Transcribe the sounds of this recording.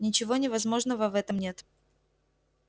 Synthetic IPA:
nʲɪt͡ɕɪvo̞nʲɪvɐzmo̞ʐnəvəvɛt̪əmnʲe̞t̪

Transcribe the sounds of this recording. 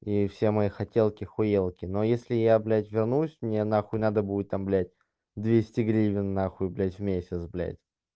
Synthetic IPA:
ifsʲemɐixɐtʲelˠkʲɪxʊjelˠkʲɪnojesʲlʲɪjablʲætʲvʲɪrnusʲmnʲenaxʊnad̪əbuɪt̪ːamblʲæt̚ʲ | d̪vʲesʲtʲɪɡɾʲivʲɪnːaxʊɪblʲætʲvʲmʲesʲət̪sblʲæ̰tʲ

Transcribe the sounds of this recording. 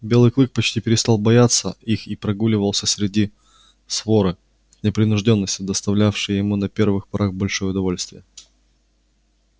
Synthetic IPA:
bʲe̞lˠɨjklˠɨk̚pɐt͡ɕtʲipʲɪɾʲɪst̪ɑlˠbɐjat̪sːəixipɾɐɡulʲɪvəlˠsʲəsʲɾʲɪdʲi | svo̞ɾɨ | nʲɪpɾʲɪnʊʐdʲo̞nːəsʲtʲɪd̪əst̪ɐvlʲafʂɨjjɪmunɐpʲe̞rvɨxpɐɾaxbɐlʲʂojəʊd̪ɐvo̞lʲsʲt̪vʲɪjə

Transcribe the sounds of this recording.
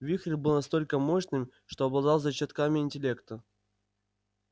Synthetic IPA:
vʲixɾʲɪbɨlˠnɐst̪o̞lʲkəmo̞ɕnɨmʂt̪oɐblˠɐd̪ɑlˠzɐt͡ɕat̪kamʲɪɪnʲtʲɪlʲe̞kt̪ə

